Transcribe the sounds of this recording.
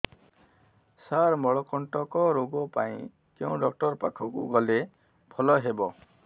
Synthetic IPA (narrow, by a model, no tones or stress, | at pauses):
saɾmɔɭɔkɔɳʈɔkɔɾoɡɔpaĩ | keũɖɔk̚ʈɔɾpakʰɔkṵɡɔle | pʰɔlɔɦebɔ